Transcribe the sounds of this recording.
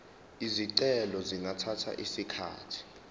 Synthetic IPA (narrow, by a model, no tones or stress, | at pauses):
iziǀɛlɔziŋatʰatʰa̰ʔisikʰa̰ːtʰi̥